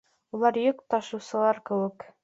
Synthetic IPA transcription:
ulˠɑɾjɵkt̪ɑʃɤ̆wsɤ̆lˠɑɾkɘ̆wɘk

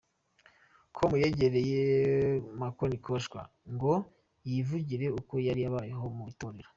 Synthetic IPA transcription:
kʰomujeɟe̞ɾe̞je | makonikʰoʃkwa̰ | ŋɡo̞ | jivuɟiɾe̞uko̞jaɾijaβaːjeɦo̞mutoːɾeɾo

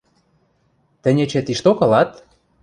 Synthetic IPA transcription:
t̪ɘ̆nʲet͡ɕĕt̪iʃt̪okɤ̆lɑt̪

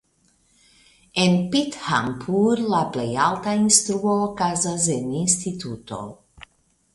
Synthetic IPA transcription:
enpit̪ha̰mpuɾlaplejalt̪ainst̪ɾuokazazeninst̪it̪ut̪o̰

